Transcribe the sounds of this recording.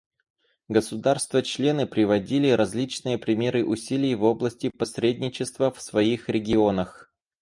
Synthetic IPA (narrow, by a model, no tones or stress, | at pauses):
ɡəsʊd̪arst̪vət͡ɕlʲe̞nɨpɾʲɪvɐdʲilʲɪɾɐzʲlʲit͡ɕnɨjəpɾʲɪmʲe̞ɾɨʔʊsʲilʲɪjvo̞blˠəsʲtʲɪpɐsʲɾʲedʲnʲɪt͡ɕɪst̪vəfsvɐixɾʲɪɡʲɪo̞nəx